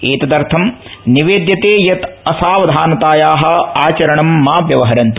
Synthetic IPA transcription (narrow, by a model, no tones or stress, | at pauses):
eːt̪ɐd̪ɐɾt̪ʰɐmniʋeːd̪jɐt̪eːjɐt̪ɐsaːʋɐd̪ʱaːnɐt̪aːjaːɦɐ̆aːt͡ʃɐɾɐɳɐmːaːpjɐʋɐɦɐɾɐnt̪u̥